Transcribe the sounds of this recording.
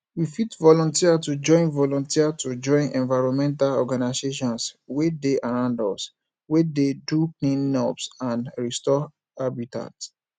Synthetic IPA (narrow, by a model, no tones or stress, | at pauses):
wifitvɔlɔ̃ntiatud͡ʒɔ̃ɪ̃nvɔlɔ̃ntiatud͡ʒɔ̃ɪ̃nʔɛ̃nvaɹɔ̃mɛ̃ntalɔɡanaseʃɔ̃nswedeʔaɹãʊ̃ndɔs | wededuklĩnːɔbsãnɹistɔ | abita̰t